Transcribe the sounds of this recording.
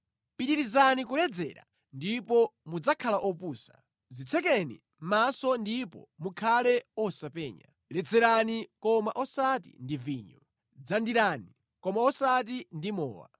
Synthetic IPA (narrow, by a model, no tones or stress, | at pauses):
piɗiɾizanikulɛd͡zɛ̰ɾa̰ | ndipɔmud͡zakʰalaʔɔpuːsḁ̰ | zit͡sʰɛkɛnḭ | m̩masɔndipɔ̰mukʰalɛɔsapɛːɲa̰ | lɛd͡zɛɾanikɔmaʔɔsatḭndiviɲɔ | d͡zandiɾani | kɔmaɔsat̬indimɔ̰ːwa̰